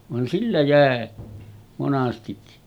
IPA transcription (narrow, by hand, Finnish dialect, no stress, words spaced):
ʋɑn silːæ jæˑe monɑstikːi